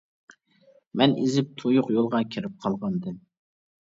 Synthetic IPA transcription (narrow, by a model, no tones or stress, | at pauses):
mɛnizɪp̚t̪ʰojʊqjolˠʁɑkʲʰiɾɪp̚qʰɑlˠʁɑnd̪ɨm